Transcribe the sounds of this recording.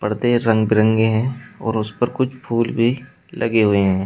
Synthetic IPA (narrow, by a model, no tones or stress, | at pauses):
pɐɽt̪eɾɐ̃ŋɡbɪɾə̃ŋɡeɦɛ̃ːɔ̰ːɾʊspɐɾkʊt͡ʃʰpʰuːlbʱi | lɐɡeɦʊeɦɛ̃ː